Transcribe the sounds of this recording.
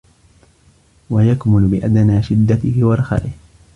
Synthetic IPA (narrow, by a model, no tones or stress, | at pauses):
wajakmʊlbɪʔad̪anaːʃɪd̪ːat̪ɪhɪwɑɾˤɑxa̰ːʔɪh